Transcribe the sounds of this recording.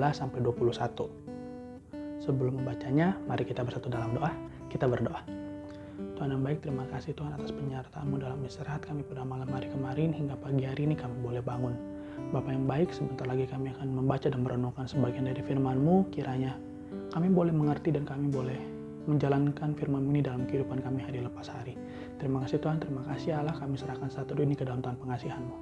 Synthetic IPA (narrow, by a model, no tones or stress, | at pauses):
lasampajduapuluhsat̪u | səbəlʊmːəmbat͡ʃaɲamaɾikit̪abərsat̪udalamdoʔa | kit̪abərdoʔa | t̪uɦanjaŋbaɪk̚t̪əɾimakasɪht̪uɦanat̪aspəɲart̪a̰mudalamːəsəɾaɦat̪̚kamipərdamalamhaɾikəmaɾɪnhiŋɡapaɡiɦaɾiːnikamibolɛhbaŋʊn | bapajaŋbaɪksəbənt̪arlaɡikamiakanməmbat͡ʃadanməɾʔənukansəbaɡiandaɾifirmanmukiɾʔaɲa | kamibolɛhməŋərt̪idankamibolɛh | məɲd͡ʒalankanfirmanmunidalamkəidupankamiɦaɾiləpasha̰ɾi | t̪əɾimakasiht̪uɦant̪əɾimakasialahkamisəɾahkansat̪uduinikədalamt̪uɦanpəŋasiɦanmu